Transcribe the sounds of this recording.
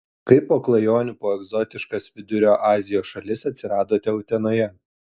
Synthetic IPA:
kɐɪpːoːklˠɐjoːnʲupoːɛɡzɔt̪ʲɪʃkɐsʋʲɪd̪ʲʊɾʲoːʔɑːzʲɪjoːsʃɐlʲɪsɐt̪ʲsʲɪɾɑːd̪oːt̪ʲɛʊt̪ʲɛnoːjɛ

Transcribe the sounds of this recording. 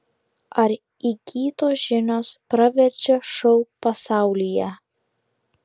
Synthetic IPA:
ɐɾ | ikʲʰiːt̪oːʒʲɪnʲoːspɾɐʋʲɛɾʲd͡ʒʲɛʃɔʊpɐsɑˑʊlʲijɛ

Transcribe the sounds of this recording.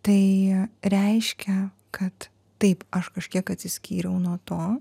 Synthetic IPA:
t̪ɐɪɾʲɛɪʃʲkʲɛ | kʰɐt̪ː | ɐɪpɐʃkɐʃʲkʲiɛkɐt̪ʲsʲɪsʲkʲiːɾʲɛʊnuɔt̪oː

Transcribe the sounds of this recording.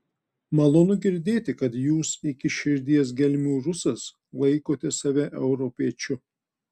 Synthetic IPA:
mɐlˠoːnʊɡʲɪɾʲd̪ʲeːt̪ʲɪkɐt̪juːsɪkʲɪʃʲɪɾʲd̪ʲiɛs̬ɡʲɛlʲmʲuːɾʊsɐs | lˠɐɪkoːt̪ʲɛsɐʋʲɛʔɛʊɾɔpʲiɛt͡ʃʲʊ

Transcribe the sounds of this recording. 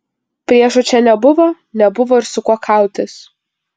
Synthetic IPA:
pʲɾʲiɛʃʊt͡ʃʲɛnʲɛbʊʋo | nʲɛbʊʋoːɪɾsʊkuɔkʰɐlˠt̪ʲɪs

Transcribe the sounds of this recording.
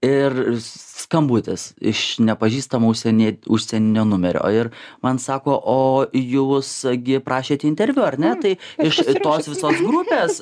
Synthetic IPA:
ɪrskɐmbuːt̪ʲɪsɪʃnʲɛpɐʒʲiːst̪ɐmoːʊʃʲsʲɛnʲiɛʊʃʲsʲɛnʲɪnʲoːnʊmʲɛɾʲo̰ːɪrmɐnsɑːkoːʔoːjuːsɡʲɪpɾɑːʃʲeːt̪ʲɛɪnʲt̪ʲɛɾʲʋʲuɐrʲnʲɛt̪ɐɪɪʃt̪oːsʋʲɪsoːsɡɾʊpʲeːs

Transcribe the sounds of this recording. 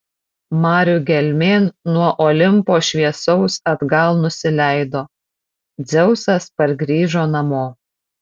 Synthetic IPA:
mɑːɾʲʊɡʲɛlʲmʲeːnnuɔʔɔːlʲɪmpoːʃʲʋʲiɛsɔʊsɐd̪ɡɐlˠnʊsʲɪlʲæˑɪd̪oː | d̪zʲɛʊsɐspɐɾɡɾʲiːʒoːnɐmoː

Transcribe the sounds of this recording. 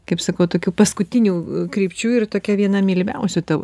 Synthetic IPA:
kɐɪpsɐkɐʊt̪oːkʲuːpɐskʊt̪ʲɪnʲuːkɾʲiːpʲt͡ʃʲuːɪrt̪oːkʲɛʋʲiɛnɐmʲiːlʲmʲɛʊsʲut̪ɐʋ̰

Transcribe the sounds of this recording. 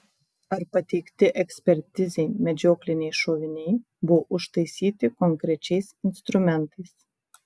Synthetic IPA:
ɐɾpɐt̪ʲɛɪkt̪ʲɪʔɛksʲpʲɛɾʲt̪ʲɪzʲɛɪmʲɛd͡ʒʲoːklʲɪnʲɛɪʃoːʋʲɪnʲɛɪ | bʊʋoʔʊʃt̪ɐɪsʲiːt̪ʲɪkɔŋʲkɾʲɛt͡ʃʲɛɪsɪnst̪ɾʊmʲɛnt̪ɐɪs

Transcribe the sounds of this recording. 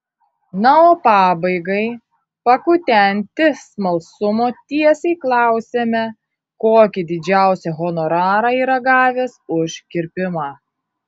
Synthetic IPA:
nɑoːpɑːbɐɪɡɐɪ | pɐkʊt̪ʲɛnʲt̪ʲɪsmɐlˠsʊmoːt̪ʲiɛsʲɛɪklˠɑˑʊsʲeːmʲɛ | koːkʲɪd̪ʲɪd͡ʒʲæˑʊsʲɛɣɔnɔɾɑːɾɑːiːɾɐɡɑːʋʲeːsʊʃkʲɪɾʲpʲɪmɑː

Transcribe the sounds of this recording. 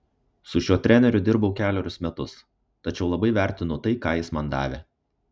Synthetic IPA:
sʊʃʲuɔt̪ʲɾʲæˑnʲɛɾʲʊd̪ʲɪɾbɐʊkʲæːlʲoɔːɾʲʊsmʲɛt̪ʊs | t̪ɐt͡ʃʲɛʊlˠɐbɐɪʋʲæˑɾʲt̪ʲɪnʊt̪ɐɪkɑːjɪsmɐnd̪ɑ̰ːʋʲe

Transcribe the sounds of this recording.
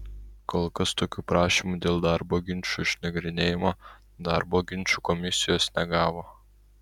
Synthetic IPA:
koːlˠkɐst̪oːkʲuːpɾɑːʃʲimud̪ʲeːlˠd̪ɑɾboːɡʲɪnʲt͡ʃʲuːɪʃʲnɐɡɾʲɪnʲeːjɪmoː | d̪ɑːɾboːɡʲɪnʲt͡ʃʲuːkɔmʲɪsʲɪjoːsnʲɛɡɑːʋoː

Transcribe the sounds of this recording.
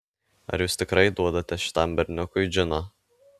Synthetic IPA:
ɐ̰ɾjuːst̪ʲɪkɾɐɪd̪uɔd̪ɐt̪ʲɛʃʲɪ̥t̪ɑmbʲɛɾʲnʲʊkʊɪd͡ʒʲɪno

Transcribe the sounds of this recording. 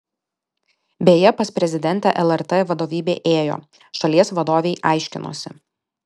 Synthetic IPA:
bʲeːjɛpɐspʲɾʲɛzʲɪd̪ʲɛnʲt̪ʲɛʔɛlˠɛɾt̪eʋɐd̪oːʋʲiːbʲeːʔeːjo̰ː | ʃɐlʲiɛsʋɐd̪oːʋʲɛɪʔɑˑɪʃʲkʲɪno̰ːsʲɪ

